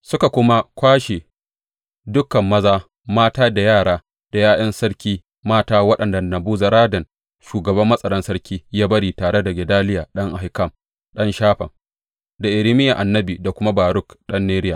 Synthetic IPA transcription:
sʊ˦ka˨kʷʊ˦ma˦kʷaː˦ʃe˨ | dʊ˦kːɐ˨mːɐ˦zaː˦ | maː˦taː˦da˨jaː˦˨ɽaː˦ | d̥a˨jaː˦ʔɐ˦nsɐ˦ɽkʲiː˦ | maː˦taː˦wɐ˦ɗɐ˨nda˨nɐ˨buː˦za˨ɾaː˦dɐ˨n | ʃuː˨ɡɐ˨bɐ˦mːɐ˦sʼɐ˨ɽɐ˦nsɐ˦ɽkʲiː˦jaː˦bɐ˦ɽiː˨taː˨ɽe˦da˨ɡʲɪ˨daː˦lɪ˦jaː˨ɗɐ˦ŋʔa˨hi˨kɐ˦˨m | ɗɐ˦nʃaː˦ɸɐ˨ŋ | da˨ʔɪ˨ɾɪ˦mɪ˦ja˨ʔa˨nːɐ˦biː˨da˨kʷʊ˦ma˦baː˨ɾʊ˦˨kɗɐ˦nːeː˦ɾɪ˦ja˨

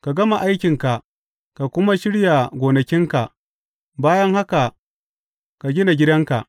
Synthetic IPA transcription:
ka˨ɡɐ˦ma˨ʔa˦jkʲɪ˨ŋka˨ʔ | ka˨kʷʊ˦ma˦ʃɪ˦ɽja˨ɡʷoː˨nɐ˨kʲɪ˦ŋka˨ | baː˦jɐ˦ŋha˦ka˨ | ka˨ɡʲɪ˦na˨ɡʲɪ˦dɐ˦ŋka̰˨ʔ

